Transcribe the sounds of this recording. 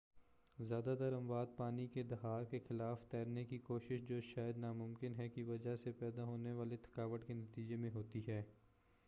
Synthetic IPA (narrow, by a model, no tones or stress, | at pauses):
zjaːd̪ad̪ɐɾə̃mʋaːd̪̚paːniked̪ɐɦaːɾkexɪlaːft̪ɛːɾnekikoːʃɪʃd͡ʒoːʃaːjəd̪namʊmkɪnɦɛkiʋɐd͡ʒaɦsepɛːd̪aɦoːneʋaːlet̪ʰɐ̥kaːʋəʈkenɐt̪iːd͡ʒemẽɦoːt̪iɦɛː